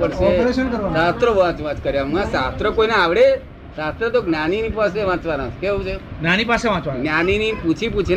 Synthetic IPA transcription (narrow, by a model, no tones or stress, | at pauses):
pəɽʃeɔpəɾeʃənkəɾʋaat̪ɾoʋãt͡ʃʋãt͡ʃkəɾjamãsat̪ɾəkoinaaʋɽe | sat̪ɾət̪oɡnaninipaseʋãt͡ʃʋanãkeot͡ʃeɡnanipaseʋãt͡ʃʋaɡnaniniput͡ʃʰiput͡ʃʰi